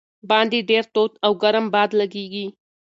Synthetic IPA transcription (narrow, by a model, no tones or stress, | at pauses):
bɑnd̪iɖeɾt̪ot̪awɡaɾəmbɑd̪laɡeɡi